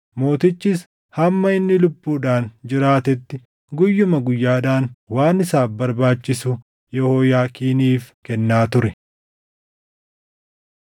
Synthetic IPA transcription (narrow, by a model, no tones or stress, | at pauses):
mo̞ːt̪ɪt͡ʃːɪs | hɐmːɐɪnːɪlʊbːuːᶑaːnd͡ʒɪɾaːt̪ɛt̪ːɪ | ɡʊjːʊmɐɡʊjːaːᶑaːnwaːnɪsaːfbɐɾbaːt͡ʃːɪsʊ | jɛhoːjaːkiːniːfkɛnːaːt̪ʊɾɛ